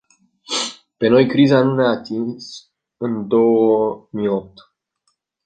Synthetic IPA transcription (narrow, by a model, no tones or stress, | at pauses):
pe̞no̞jkɾizanuneat̪ins | ɨnd̪o̞wəmijop̚t̪